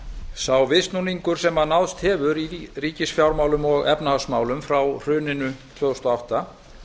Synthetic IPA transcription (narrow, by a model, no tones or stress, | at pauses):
sawvɪst̪nuniŋkʏɾ̥sɛmanawðst̪hɛvʏɾiriːcɪsfjawɾmaːwlʏmɔɣɛpnahawsmaːwlʏmfɾawr̥ʏːnɪnʏt̪ʰvœːɣʏst̪ɔawht̪a